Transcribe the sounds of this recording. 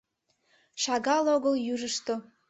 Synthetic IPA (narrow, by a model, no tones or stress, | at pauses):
ʃɑɣɑloɣəljyʒəʃt̪o